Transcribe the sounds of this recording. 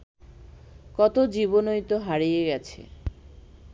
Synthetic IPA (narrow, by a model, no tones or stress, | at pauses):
kɔt̪od͡ʑiβonojt̪oɦaɾijeɡɛt͡ɕʰḛ